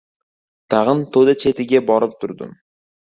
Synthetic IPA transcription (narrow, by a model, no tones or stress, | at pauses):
t̪ʰɑʁɤnt̪ʰod̪at͡ʃʰe̞t̪ɪɡʲebɒɾɨp̚t̪ʰʊɾd̪ʊ̰m